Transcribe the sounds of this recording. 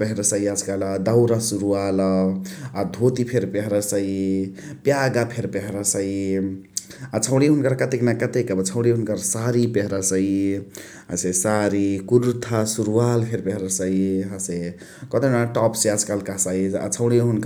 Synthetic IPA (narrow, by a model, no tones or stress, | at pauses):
peɦɾəsəiad͡zkald̪awɾasuɾuwal | ad̪ʱot̪ipʰeɾpeɦɾasəi | pjaɡapʰeɾpeɦɾasəi | at͡ʃʰəwɽ̃iɦunkəɾkət̪eknakət̪ekəbət͡ʃʰəwɽ̃iɦunkəɾsaɾipeɦɾasəi | a̰sesaɾikuɾut̪ʰasuɾuwalpʰeɾpeɦɾasəiɦase | kʌt̪enaʈɔpsead͡ʒkalkasaia̰t͡ʃʰəwɽ̃iɦunk